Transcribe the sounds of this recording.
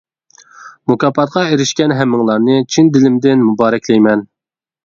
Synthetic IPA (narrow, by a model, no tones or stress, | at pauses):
mukɑːpɑt̪qɑeɾɪʃkʲɛnɦɛmːɪŋlˠɑɾnɨt͡ʃʰind̪ɪlɪmd̪ɪnmubɑːɾɛkʲʰlɛjmɛn